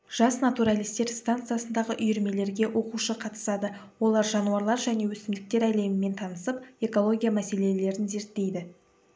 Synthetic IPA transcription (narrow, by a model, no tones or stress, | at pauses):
ʒ̥ɑsnat̪uɾalˠijst̪e̞ɾst̪ant̪sɨjasənd̪ɑʁəʔʏjʏɾme̞le̞ɾɡʲe̞wʔo̞quʃəqʰɑt̪ə̥sɑd̪ə | wo̞lˠɑɾʒɑnuɑɾlˠɑɾʒæne̞wɵsɪmd̪ɪk̚t̪e̞ɾæle̞mɪme̞nt̪ʰɑnəsəpe̞ko̞lˠo̞ɡʲijamæse̞le̞le̞ɾɪnze̞ɾt̪ːe̞jd̪ɪ